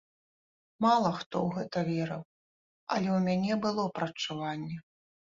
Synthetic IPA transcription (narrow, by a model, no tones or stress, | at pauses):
malˠɐxt̪ɔwɣɛt̪ɐvʲɛɾɐw | ɐ̰lʲɛwmʲanʲɛbɨlˠɔpɾɐt͡ʂːuvanʲːɛ